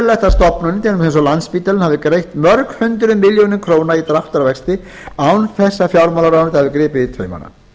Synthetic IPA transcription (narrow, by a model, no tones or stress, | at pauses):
lɛht̪ast̪ɔpnʏnːɪt̪ɛlʏmθɛns̬ɔlant̪spiːt̪alɪnhavðɪkɾejht̪mœɾkhʏnt̪ʏɾʏmːɪljownɪmkʰɾoːwnait̪ɾaft̪aɾavɛkst̪ɪ | awnθɛsːafjawɾmalaɾaːnat̪ʰahavðɪkɾɪːpɪit̪ʰœɥjma̰na̰